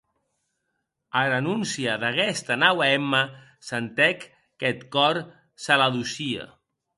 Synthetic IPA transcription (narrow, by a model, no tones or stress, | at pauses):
əɾənunsiəðəɣɛst̪ənawɛmə | sənt̪ɛkː | ɛt̪kɔɾ | səlaðusiə̰